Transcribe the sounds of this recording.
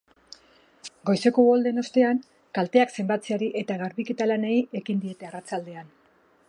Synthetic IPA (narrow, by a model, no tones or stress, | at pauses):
ɡo̞jse̞ko̞ɣold̪e̞no̞st̪e̞aŋ | kalt̪e̞akse̞mbat͡siaɾiʔe̞t̪aɣaɾβike̞t̪alane̞je̞kind̪ie̞t̪e̞arat͡sald̪e̞an